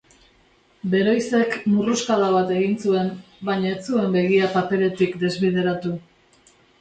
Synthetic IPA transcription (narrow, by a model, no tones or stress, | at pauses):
be̞ɾo̞jse̞kmuruskaðaβat̪e̞ɣinsue̞m | baɲaet͡sue̞mbe̞ɣiapape̞le̞t̪ikd̪e̞zβið̞e̞ɾat̪u